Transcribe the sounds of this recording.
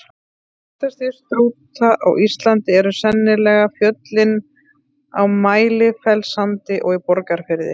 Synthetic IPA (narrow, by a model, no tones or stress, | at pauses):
t̪ast̪ist̪ɾuːt̪aʔa̰wʔist̪lant̪ɪɛɾʏsɛnːɪlɛɣafjœt̪lɪn | awmaːjlɪfɛlsamt̪ɪʔɔɣipɔɾkaɾ̥fɪɾðɪ̰